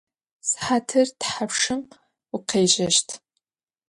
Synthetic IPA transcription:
sħatʰɨrtħapʂɨm | ʊqʰeːʒɐʃtʰ

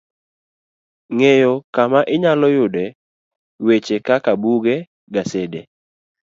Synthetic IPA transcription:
ŋejɔkamaʔɪɲalɔjʊdɛ | wet͡ʃekakabuɡɛ | ɡasede

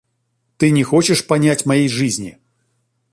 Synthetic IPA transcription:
t̪ɨnʲɛxot͡ɕɪʂpɐnʲatʲmɐjejʐɨzʲnʲḭ

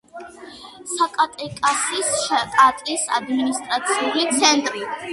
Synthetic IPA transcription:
sakʼat̪ʼɛkʼasisʃkʼat̪ʼisa̰d̪minist̪ʼɾat̪sʰiulit̪sʰɛnt̪ʼɾi

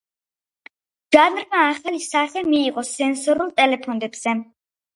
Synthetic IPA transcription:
ʒ̥anɾmaːχalisaχɛmiːʁɔsɛnsɔɾulˠt̪ʼɛlɛpʰɔnd̪ɛbz̥ɛ

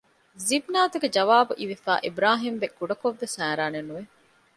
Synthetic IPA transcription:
zibnaːt̪uɡed͡ʒɐʋaːbuʔiʋifa̰ːʔibɾaːɦimʋekːuɖɐkoʋːesæːɾaːnenːuʋe

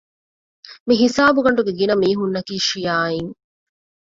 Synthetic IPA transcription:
miɦisaːbuɡɐɳ̆ɖuɡeɡinɐmiːɦunːɐkiːʃijaːiŋ

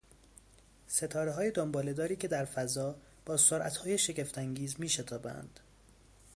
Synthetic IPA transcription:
se̞t̪ʰɒːɾeɦɒːjed̪ombɒːled̪ɒːɾiːcʰe̞d̪æɾfæzɒː | b̥ɒːsoɾʔæ̰t̪hɒːje̞ʃe̞ɟe̞ft̪æŋɟiːzmiːʃe̞t̪ʰɒːbæ̰nd̪̥

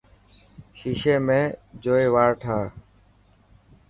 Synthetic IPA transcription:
ʃiːʃeːmẽːd͡ʒoːeːʋaːɾʈʰaː

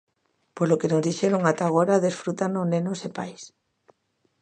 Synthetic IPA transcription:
pozlokenozðiʃeɾoŋat̪aɣ̞oɾaðesfɾut̪anoznẽnosepajs

